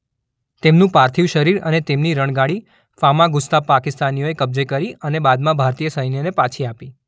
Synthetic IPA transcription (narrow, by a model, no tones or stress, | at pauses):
t̪emnũpaɾt̪ʰiʋʃəɾiɾə̰net̪emniɾəɳ̃ɡaɽi | famãɡʊst̪apakɪst̪anijoekəb̚d͡ʒekəɾiənebad̪mãbʱaɾt̪ijəsəjnjənepãt͡ʃʰiapi